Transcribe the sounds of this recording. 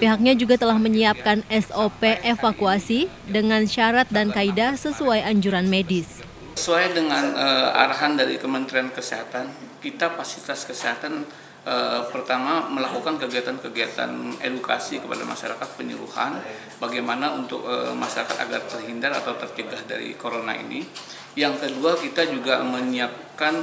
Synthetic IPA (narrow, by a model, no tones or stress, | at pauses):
piɦak̚ɲad͡ʒuɡat̪əlahməɲiap̚kanɛsopeʔefakuasi | dəŋanʃaɾat̪̚dankaidasəsuajaɲd͡ʒuɾanmedɪs | səsuajdəŋanəa̰ɾaɦandaɾḭkəmənt̪ɾiankəseɦat̪ankit̪apasiit̪askəseɦat̪an | ʔəpərt̪amaməlakukankəɡiat̪ankəɡiat̪a̰nḛduka̰sikəpa̰da̰ma̰ʃaɾa̰kat̪̚pəɲṵɾṵha̰n | baɡajmanaunt̪ʊk̚əmaʃaɾakat̪a̰ɡart̪ərɦindaɾa̰t̪awt̪ərt͡ʃəɡahda̰ɾḭkoɾona̰ḭnḭ | jaŋkəduakit̪ad͡ʒuɡaməniap̚kan